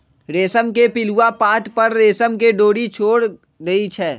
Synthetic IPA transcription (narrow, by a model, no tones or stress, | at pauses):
ɾeːsəmkepɪluapaːt̪pɐɾɾeːsəmk̬eɖoːɽit͡ʃʰoːɽ | d̪eit͡ʃʰɛː